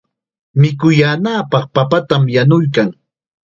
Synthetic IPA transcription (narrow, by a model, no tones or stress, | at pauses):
mɪkʊjaːnaːpɑχpapat̪amjanʊjkaŋ